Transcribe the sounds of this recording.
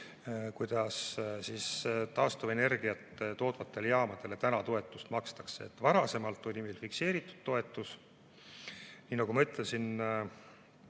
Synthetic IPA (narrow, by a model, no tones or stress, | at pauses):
kujd̪̥ɑssiːst̪ɑːst̪uve̞ne̞rɡ̥ijɑt̪ːt̪o̞ːd̪vɑt̪ˑːe̞ljɑːmɑd̪̥e̞le̞t̪ænɑt̪o̞e̞t̪ːˑust̪mɑkst̪ɑ̥kseːt̪ːˑvɑɾɑse̞mɑlt̪ːˑolʲimejlfikse̞ːɾit̪ːˑu̥d̪̥̚t̪o̞e̞t̪ːˑus | niːnɑkɡumɑmɤt̪ˑlesin